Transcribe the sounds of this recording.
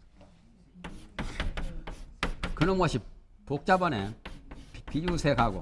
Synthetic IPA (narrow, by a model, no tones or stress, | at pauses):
kɯnɯmɡʌɕʰipok̚t͡ɕ͈abʌnḛ | pijusʰeɡaɡo̰